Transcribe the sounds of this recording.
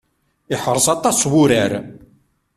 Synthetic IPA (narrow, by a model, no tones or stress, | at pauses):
ɪħəɾˤsɑt̪ˤːɑsˤwʊɾæɾ